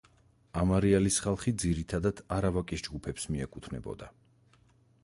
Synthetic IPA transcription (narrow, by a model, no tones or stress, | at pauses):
amaɾialisχalˠχid̪ziɾit̪ʰad̪ad̪̥aɾavakʼisd͡ʒɡupʰɛpsmiɛkʼut̪ʰnɛ̰bɔ̰d̪a